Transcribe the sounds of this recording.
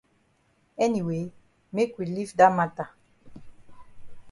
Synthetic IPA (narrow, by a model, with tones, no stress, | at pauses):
ɛ˦ni˨we˨˦ | me˦kʷwi˨li˦fda˦ma˨ta˨